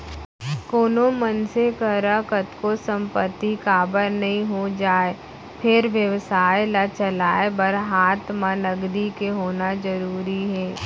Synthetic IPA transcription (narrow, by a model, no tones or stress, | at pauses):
koːnomənsekəɾakət̪kosə̃mpət̪ːikaːbəɾnɐɦĩɦod͡ʒaːe | pʰɪɾʋjəʋsaːejlat͡ʃəlaːebəɾɦaːt̪maləɡd̪ikeɦoːnazəɾuːɾiɦɛː